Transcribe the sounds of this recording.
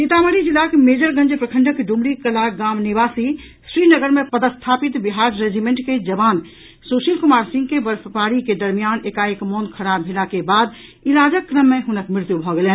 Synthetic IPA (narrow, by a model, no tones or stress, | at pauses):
nit̪aməɾid͡ʒilːakemed͡ʒəɾɡə̃nd͡ʒpɾəkʰə̃ɳɖəkɖumɽikəlaɡaːmniʋaːsi | sɾinəɡəɾmẽpəd̪əst̪ʰapit̪biɦaɾɾed͡ʒimeɳʈked͡ʒəbaːn | soʃilkomaːɾsĩŋɡkebəɾfəpaɾiked̪əɾmijaːnekaekmonkʰəɾabʱelakebaːd̪ | ilaːd͡ʒəkːɾəmːẽɦʊnəkmɾɪɾt̪jubʱɔɡelen